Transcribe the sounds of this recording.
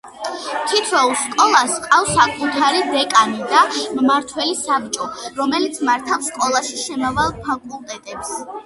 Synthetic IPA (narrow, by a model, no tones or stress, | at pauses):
t̪ʰit̪ʰwɛulˠskʼɔlˠaskʼafsakʼut̪ʰaɾid̪ɛkʼanid̪ammaɾt̪ʰwɛlisab̚t͡ʃʼɔɾɔmɛlit̪sʰmaɾt̪ʰafskʼɔlˠaʃiʃɛmavalˠpʰakʼulˠt̪ʼɛt̪ʼɛps